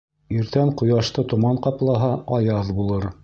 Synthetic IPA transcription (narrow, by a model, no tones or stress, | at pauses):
iɾt̪æɴqŏjɑʃt̪ɤt̪ŏmɑɴqɑplˠɑɦɑʔɑjɑðbulˠɤɾ